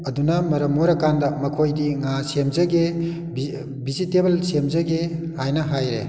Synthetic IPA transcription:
ɐdunɐmɐɾɐmːoɾɐkandɐmɐkʰojdiŋasemzɐɡe | bi | bizitebɐlsemzɐɡe | hajnɐɦajɾḛ

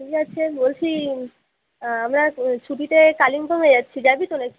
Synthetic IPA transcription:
ikatːɕʰebolt͡ɕʰi | amɾat͡ɕʰuʈit̪ekalimbʱaŋed͡ʑat̪ːɕʰid͡ʑabit̪onek

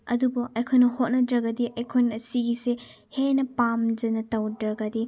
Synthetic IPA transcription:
ɐ̰dubɐʔɐjkʰojnɐhot̚nɐdɾɐɡɐdiʔɐjkʰojnɐsiɡise | henɐpamd͡ʒɐnɐtɐwdɾɐɡɐdi

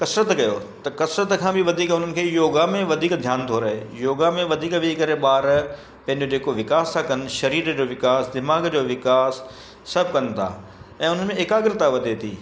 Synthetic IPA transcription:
kɐsɾət̪kɐjo | t̪ɐkɐsɾət̪kʰãːbɪʋɐd̪ʱiːkɦʊn̤ənɪ̆kʰeːjoːɡamẽʋɐd̪ʱiːkd̪ʱjaːnt̪ʰoːɾɐɦeːjoːɡamẽʋɐd̪ʱiːkʋɪkɐɾeɓaːɾ | pɐ̃ɦɪ̃ɲd͡ʑod͡ʑeːkoʋɪkaːst̪ʰakɐnɪ̆ʃɐɾiːɾd͡ʑoːʋɪkaːsd̪ɪmaːɡd͡ʑoːʋɪkaːsː | ɐb̚ʱkɐn̆t̪ʰa̰ː | ɛ̃ːʊn̤ənɪ̆mẽɪkaːɡɪɾɪt̪aʋɐd̪ʱet̪ʰḭː

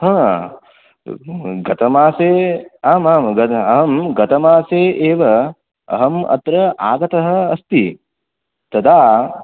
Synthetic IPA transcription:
ɦãː | ɡɐt̪ɐmaːseːaːmaːmɡɐɐɦɐmɡɐt̪ɐmaːseːʔeːʋɐ | ɐ̰ɦɐmɐ̰t̪ɾɐʔa̰ːɡɐt̪ɐɦɐːst̪i | t̪ɐd̪ʱaː

